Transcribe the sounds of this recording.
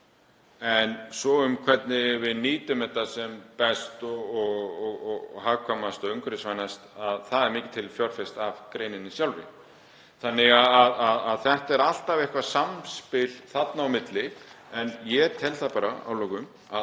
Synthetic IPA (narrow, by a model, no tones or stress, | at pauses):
ɛnsɔʏmkʰvɛt̪nɪvɪðniːt̪ʏmɛht̪ːasɛmpɛst̪ɔɔɣɔɣɣɦaɣkʰamast̪ɔʏŋkɾɪsvajnast̪aðθaðɛɾmɪːcɪ̥t̪ʰɪlfjɔwr̥fɪst̪avkɾeːjnɪnːɪsjawlvɪ̰ | θanːɪɣaðaðaðaðθɛht̪ɛɾal̥t̪avɛhkvasamspɪl̥θat̪naːwmɪt̪lɪ | ɛnjɛt̪ʰɛlθapaːɾaa̰wlɔwɣʏm | a